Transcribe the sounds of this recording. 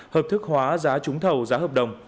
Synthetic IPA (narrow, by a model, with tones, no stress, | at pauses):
həː˨˩p̚t̪ʰɨ˦˥k̚hwaː˨˦zaː˨˦t͡ɕʊ˨˦ŋ͡mt̪ʰə˨˩wzaː˨˦həː˨˩p̚ɗə˨˩wŋ͡m